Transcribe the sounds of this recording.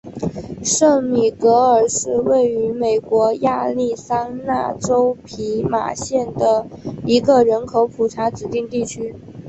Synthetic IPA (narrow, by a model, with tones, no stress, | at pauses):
ʂɤ˥˩ŋmi˨˩kɤ˧˥ə˞˨˩ʂɻ̩˥˧we˥˩ɪy˧˥me˨˩ɪkwɔ˧˥ja˥˧li˥˩sa˥ŋna̰˥˩ʈ͡ʂo˥ʊpʰi˧˥ma̰˨˩ɕjɛ˥˩nd̪ə˩i˧˥ɡə˧ɻə˧˥nkʰo˧˥ʊpʰu˨˩ʈ͡ʂʰa˧˥t͡sɻ̩˨˩t̪i˥˧ŋt̪i˥˩t͡ɕʰy˥